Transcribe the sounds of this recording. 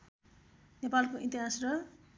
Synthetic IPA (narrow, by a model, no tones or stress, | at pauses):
nepalkoʔint̪iɦasrʌ